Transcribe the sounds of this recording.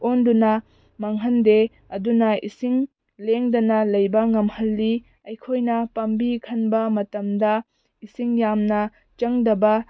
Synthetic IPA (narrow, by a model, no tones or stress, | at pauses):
ondunɐ | mɐŋɦɐnde | ɐdunɐisiŋ | leŋdɐnɐlɐjbɐŋɐmhɐlːi | ɐjkʰojnɐpɐmbikʰɐnbɐmɐtɐmdɐ | isiŋjamnɐ | t͡ʃɐŋdɐbɐ